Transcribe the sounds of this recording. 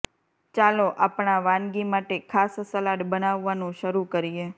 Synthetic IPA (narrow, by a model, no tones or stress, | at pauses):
t͡ʃaloʔapɳaʋãnɡimaʈekʰassəlaʈbənaʋːanũʃəɾukəɾie